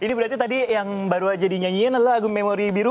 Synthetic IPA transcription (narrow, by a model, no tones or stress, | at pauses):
inibəɾaɾt̪it̪adijaŋbaɾuad͡ʒadiɲaɲianalaːɡʊmːemoɾibiɾu